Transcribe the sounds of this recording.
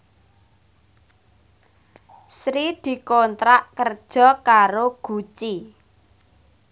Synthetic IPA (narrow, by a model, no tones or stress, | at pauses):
sɾid̪̥i̤kont̪ɾaʔkərd̥ʒ̥ɔ̤kaɾoɡ̥ṳt͡ʃi